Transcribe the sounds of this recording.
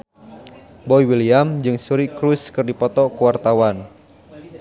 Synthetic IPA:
bɔiwiliamd͡ʒɨŋsuɾikɾuskɨrdipɔt̪ɔkuwart̪awan

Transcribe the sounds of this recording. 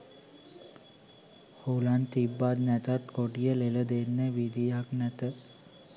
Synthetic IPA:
hulant̪ibːat̪næt̪at̪koʈijəleləd̪enːəʋid̪ijaknæt̪ə

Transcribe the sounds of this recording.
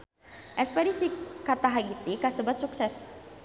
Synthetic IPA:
ʔɛspɛɾisikat̪aɦaɡit̪ikasəbat̪̚suksɛs

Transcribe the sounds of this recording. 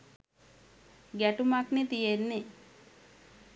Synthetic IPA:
ɡæʈumaknet̪ijenːe

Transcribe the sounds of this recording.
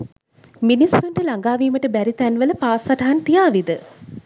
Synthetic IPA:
minisːuɳʈəlaŋɡaːʋiːməʈəbæɾit̪ænʋələpaːsaʈaɦant̪ijaːʋid̪ə

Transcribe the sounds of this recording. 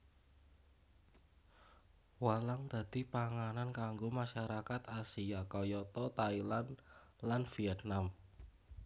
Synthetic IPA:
walaŋt̪a̤d̪̥i̤paŋanankaŋɡomaʃaɾakat̪asiakɔjɔt̪ɔt̪ailan | lanfiɛt̪̚nam

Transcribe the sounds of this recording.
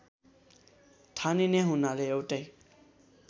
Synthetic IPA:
tʰanineɦunaleewʈʌj

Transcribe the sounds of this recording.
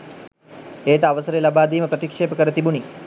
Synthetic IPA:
eːʈəaʋəsəɾelabaːd̪iːməpɾət̪ikʂeːpəkəɾət̪ibuni

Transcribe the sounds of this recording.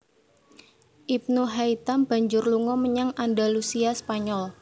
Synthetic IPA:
ʔip̚nuɦait̪amb̥a̤ɲd͡ʒʊrluŋɔməɲaŋandalusiaspaɲɔl

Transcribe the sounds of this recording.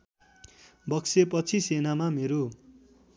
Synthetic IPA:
bʌksep̬ʌt͡sʰisenamameɾo

